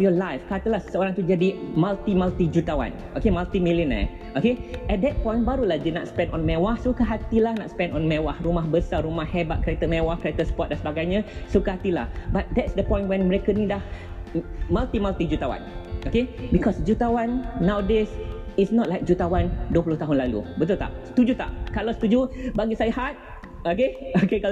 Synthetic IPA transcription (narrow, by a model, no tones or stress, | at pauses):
jɔlajfkat̪əlahsəoɾãŋt̪ud͡ʒadimalt̪imalt̪id͡ʒut̪awã̰n | ʔokemalt̪imiləna̰ | okeɛt̚d̪ɛt̚pɔ̃j̃nbaɾulahd͡ʒina̰tspɛ̃ndɔ̃nmɛwahsokəɦat̪ilahnatspɛ̃nɔ̃nmɛwahɾumahbəsaɾumahhɛbat̪̚kɾɛt̪əmɛwahkɾet̪əsə̥pɔt̪̚dãnsəbaɡajɲasokəɦat̪ila̰hbat̪̚d̪ɛtsd̪əpɔ̃jnʔwɛ̃nməɾekənidah | malt̪imalt̪id͡ʒut̪awã̰nokebikɔsd͡ʒut̪awãnːawdes | isnɔt̚lajk̚d͡ʒut̪awanduəpulʊht̪aɦʊnlalṵbət̪ult̪a̰ʔsə̥t̪ud͡ʒut̪a̰ʔkalasə̥t̪ud͡ʒubaɡisajəhɦat̪̚ | okeokeka